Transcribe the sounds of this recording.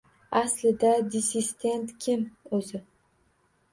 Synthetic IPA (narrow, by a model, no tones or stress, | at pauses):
aslɪd̪ad̪ʲɪsist̪ʰʲe̞nt̪kʲʰɪmɵzɪ